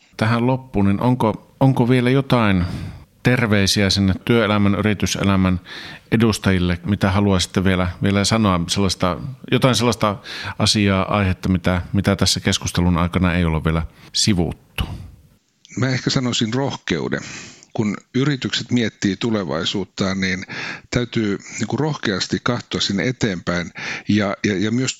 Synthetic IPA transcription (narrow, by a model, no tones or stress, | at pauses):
t̪æhællopːuːninʔoŋko | oŋkoʋielæjot̪ɑint̪erʋeisiæsinːet̪tyøelæmæny̰rit̪ysḛlæmænedust̪ɑjilːemit̪æhɑluɑsi̥t̪ːeʋʋielæʋielæsɑnoɑselːɑst̪ɑjot̪ɑˑinselːɑst̪ɑʔɑsiɑːʔɑ̰ihet̪ːɑmit̪æmit̪æt̪æsːækeskust̪elunɑ̰ikɑnɑejolːeʋʋielæsiʋṵt̪ːu̥ | mæːehkæsɑnosinrohkḛṵdḛkunyrit̪ykset̪miet̪ːiːt̪uleʋɑ̰isuːt̪ːɑːnniːnt̪æyt̪yːniːŋkurohkeɑst̪ikkɑht̪oɑsinːḛet̪eːmpæinjɑjɑjɑmyøs